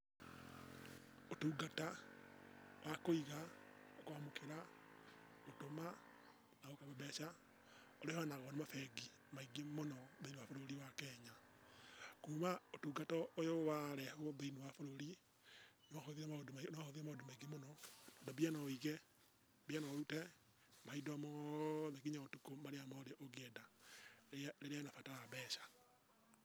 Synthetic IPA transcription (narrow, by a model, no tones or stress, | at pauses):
otuːɡata | wʔakoiɣaokoamokʰeɾa | otoma | naɣokoβobɛʃa | oɾehɔnaɣɔnemafɛɡi | maiɡemonɔðoinewafoɾoɾiwakɛːɲa | kuːmaotuːɡatɔojowaɾɛhoðoinuwafoɾoɾi | nɔhoðiɾɛaodnahoðiɾɛmaodomaiɡemonɔnɔdɔbianɔiɣɛ | bianɔutɛ | maidamɔðɛɣiɲaotukomaɾeamɔɾeʔoɣeɛda | leɾeanafatajabɛːʃḁ